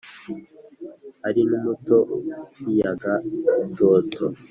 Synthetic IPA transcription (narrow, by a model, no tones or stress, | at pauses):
aɾinumuto̞kijaɡato̞ːtʰo